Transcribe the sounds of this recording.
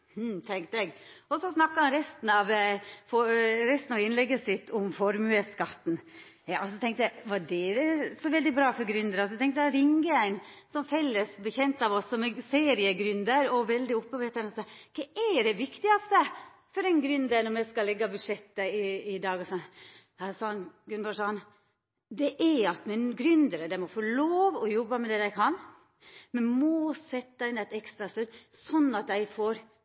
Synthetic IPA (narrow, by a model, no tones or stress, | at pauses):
h̩t̪ʰɛŋkt̪ɛɡɔsɔsnɑkːɑɑnɾɛst̪n̩ɑʋfɔɾɛst̪n̩ɑʋɪnlɛɡːəsɪt̪ʰːʊmfɔɾmʉəskɑt̪ːn̩ | jɑːɔsɔt̪ʰɛŋkt̪jæɪʋɑdɛɾəsɔʋɛld̪ɪbɾɑːfɔɾɡɾʏnd̪əɾɔst̪ʰɛŋkt̪æɾɪŋɡəæɪnsɔmfɛlːəsbɛçɛnt̪ɑʋɔsːɔmseːɾɪəɡɾʏnd̪əɾɔʋɛld̪ɪɔpːəʋeːt̪ənɔskʰɛæɖɛʋɪkt̪ɪɡɑst̪ə | fɔɾɛɪnɡɾʉnd̪ənɔmæɪskɑlɛɡːɑbʉd̪ʂɛt̪ːəɪɪd̪ɑːɡɔsɑ | hɑsɑːɑnɡɾʉnbɑʂɑːɑn | d̪ɛʔɛɑt̪mɛnɡɾʉnd̪əɾəd̪æɪmɔfoɭoːʋɔjɔbːəmɛd̪ɛd̪æɪkʰɑn | mɛnmɔːsɛt̪ːɑɪnæɪt̪ɛkst̪ɾɑst̪ød̪sɔnːɑt̪d̪æɪfoːɾ